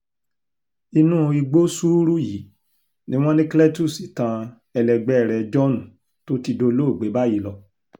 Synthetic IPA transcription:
i˧nũ˦i˧ɡ͡bo˦su˦ɾu˦ji˨˦ | nĩ˦w̃ɔ̃˦nĩ˦klɛ˦tu˦˨si˨tã˧ | ɛ˧lɛ˧ɡ͡bɛ˦˨ɾɛ˧d͡ʒɔ˦nũ˨ | to˦ti˧do˧lo˦o˦˨ɡ͡be˨˦ba˦ji˦lɔ˧˨

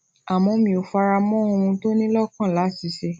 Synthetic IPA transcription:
a˨mɔ̃˧mĩ˨o˨fa˧ɾa˧mɔ̃˦o˧ũ˧to˦nĩ˦lɔ˦˨kã˦˨la˨˦si˨˧˦ʃe˧

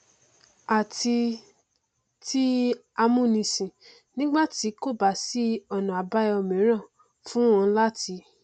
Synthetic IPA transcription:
a˨ti˧ | ti˦a˧mũ˦˨nĩ˧sĩ˨ | nĩ˦ɡ͡ba˦˨ti˨˦ko˦˨ba˨si˦ɔ˧nã˨a˨˦ba˦i˦ɔ˧mĩ˨˦ɾ̃ã˦˨ | fũ˦wɔ̃˧˦la˦ti˨˧˦

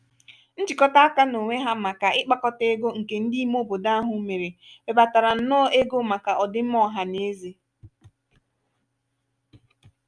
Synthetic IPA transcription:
n̩˦d͡ʒi˨kɔ˦ta˦a˦ka˦no˨ŋʷe˦ɦa˦ma˨ka˨ɪ˦k͡pa˦kɔ˦te˦ɡo˦ŋ̩˨ke˨n̩˦di˦i˦m˦o˦bo˨da˦a˦ɦʊ˦me˨ɾe˨be˨ba˨ta˨ɾa˨n̩˦˨nɔ˦ʔe˦ɡo˦ma˨ka˨ʔɔ˨dɪ˦m̩˦mɔ˦ɦa˨ne˨˦ze˦

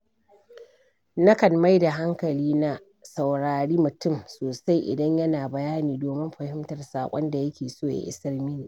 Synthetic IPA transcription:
nɐ˦kɐ˨nma˦jda˨ɦa˦ŋkɐ˨liː˦na˦ | sa˨wɽaː˨ɽiː˦mʊ˨tʊ˦˨msoː˨sa˦jʔɪ̰˨dɐ˦ɲjɐ˦naː˨bɐ˨jaː˦niː˨doː˨mɪ˦mɸɐ˨hɪ˦mtɐ˨rsaː˨kʷʼɔ˦nda˨jɐ˦kʲeː˨soː˦˨ja̰˨ʔɪ̰˦sɐ˦rmɪ˦niː˨ʔ

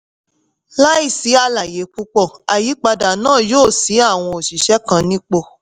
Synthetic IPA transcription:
la˦i˦˨si˨˦a˧la˨je˨˦k͡pu˦k͡pɔ˦˨a˨ji˨˦k͡pa˧da˨nãː˦˨joː˦˨si˨˦a˦˨w̃ɔ̃˧o˨ʃi˨ʃɛ˨˦kã˧nĩ˦k͡po˧˨

